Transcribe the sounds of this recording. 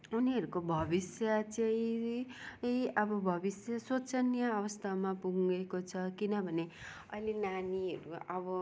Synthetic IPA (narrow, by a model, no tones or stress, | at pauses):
uniɦʌɾukobʱʌbisjʌt͡saĩ | ʌbʌbʱʌbisjʌsot͡sʌnjaːwʌst̪ʰamapuŋekot͡sʰʌkinʌbʱʌne | ʌ̰jlenaniɦʌɾuʌbʌ